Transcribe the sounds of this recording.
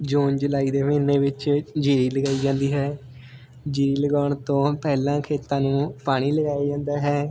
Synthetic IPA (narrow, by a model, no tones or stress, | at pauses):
d͡ʒoːnd͡ʒəlaːiːd̪eːmɪneːʋɪt͡ʃd͡ʒiːɾiːləɡaːiːd͡ʒãːnd̪iːɦɛː | d͡ʒiːɾiːləɡaːɳt̪õːpɛːlãːkʰeːt̪ãːnũːpaːɽ̃iːləɡaːaːd͡ʒãːnd̪aːɦɛː